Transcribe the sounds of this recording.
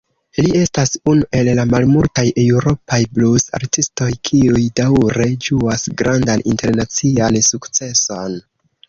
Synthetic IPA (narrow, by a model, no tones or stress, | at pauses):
lie̞stasunuʔe̞lːamalmultajʔewɾo̞pajblusa̰ɾtisto̞jkʰiujdawɾe̞d͡ʒuasɡɾandanḭnte̞ɾnat͡siansukt͡se̞son